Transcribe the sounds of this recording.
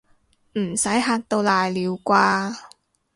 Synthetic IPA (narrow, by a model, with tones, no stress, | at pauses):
m̩˨˩sɐ˨˥jɦaː˧k̚t̪o˧wlaː˨jliː˨˧wkʷaː˧